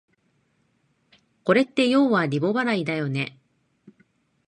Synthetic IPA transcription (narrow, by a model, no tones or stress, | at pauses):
ko̞ɾe̞t̪ːe̞jo̞ːβaɾʲibo̞baɾaid̪ajo̞ne̞